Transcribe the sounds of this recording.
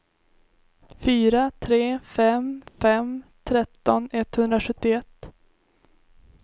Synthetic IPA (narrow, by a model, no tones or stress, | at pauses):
fyːɾat̪ʰɾeːfɛmfɛmt̪ʰɾɛt̪ːɔnɛt̪ːhɵnd̪ɾaɧɵt̪ːɪɛt̪ː